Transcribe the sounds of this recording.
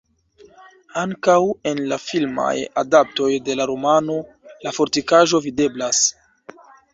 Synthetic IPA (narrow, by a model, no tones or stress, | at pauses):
aŋkawe̞nlafilma̰ja̰dap̚to̞jde̞laɾomano̞ | lafo̞ɾtikaʒo̞vide̞blas